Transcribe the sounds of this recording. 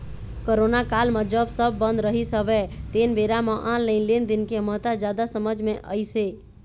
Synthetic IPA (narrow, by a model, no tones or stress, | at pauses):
koɾonakalməd͡ʒəbsəbːə̃nd̪ɾəɦisəbɛt̪enbeɾamə̃ʔãnləɪnlend̪inkeəmət̪ad͡ʒjad̪asəməd͡ʒmeʔə̰jse